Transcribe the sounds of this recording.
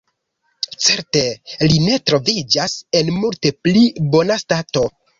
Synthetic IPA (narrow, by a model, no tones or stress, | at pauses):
t͡se̞ɾte̞line̞tɾo̞vid͡ʒase̞nmulte̞plibo̞nastato̞